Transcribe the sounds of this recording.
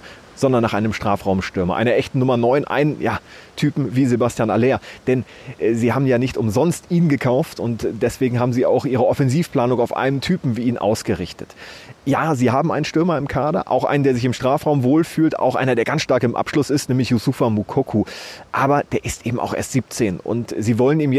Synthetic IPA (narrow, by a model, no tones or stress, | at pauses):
z̥ɔndɐnːaːχʔaɪnəmʃtʁ̥aːfʁ̥aʊmʃtʏɐmɐ̰ʔa̰ɪnɐʔɛçtn̩nːʊmɐnɔʏnʔa̰ɪnənjaːtʰyːpm̩viːzebastjaːna̰leːɐd̥ɛn | ʔɛːziːhaːbm̩jaːnɪçtʊmzɔnstʔiːnɡəkʰaʊftʊntd̥ɛsv̥eːɡŋ̩ɦaːbm̩ziːa̰ʊxʔiːʁəɔfɛnziːfpl̥aːnʊŋaʊfʔa̰ɪləntʰyːpm̩viːiːnʔa̰ʊsɡ̥əʁɪçtə̥tjaːziːhaːbm̩ʔaɪnənʃtʏɐmɐɪmkʰaːdɐ̰ʔa̰ʊxʔa̰ɪnəndeːɐzɪçɪmʃtʁ̥aːfʁ̥aʊmvoːlfyːlta̰ʊxʔaɪnɐdeːɐɡansʃtaɐkɪmʔa̰pʃlʊsɪstnɛːmlɪçjusufamukʰokʰuʔaːbɐd̥eːɐʔɪstʔeːbm̩ʔa̰ʊxʔḛːɐstz̥iːp̚t͡seːnʊ̰ntz̥iːvɔləniːmjɛ